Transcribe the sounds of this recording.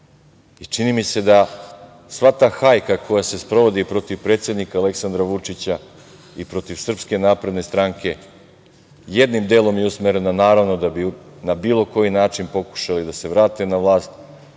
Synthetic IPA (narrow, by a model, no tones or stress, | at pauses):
it͡ʂinimise̞d̪a | sʋat̪aːxajkakʰo̞jase̞spɾo̞ʋo̞d̪ipɾo̞t̪iʋpɾe̞ːt̪sjed̪nikaːle̞ksand̪ɾaʋut͡ʂit͡ɕa | ipɾo̞t̪iʋsr̩pske̞naːpɾe̞d̪ne̞st̪ɾaŋkʰe̞ | je̞d̪nimd̪e̞ːlˠo̞mjeusmeɾe̞nanaːɾaʋno̞d̪abinabiːlˠo̞ko̞jinaːt͡ʃinpo̞ku̥ʃalid̪ase̞ʋɾaːt̪e̞naʋlˠaːst̪